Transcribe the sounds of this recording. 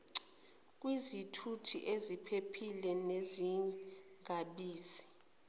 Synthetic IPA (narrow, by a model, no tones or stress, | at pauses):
k̬ʼwizitʰutʰḭʔezipʰepʰilɛneziŋɡaɓiːzi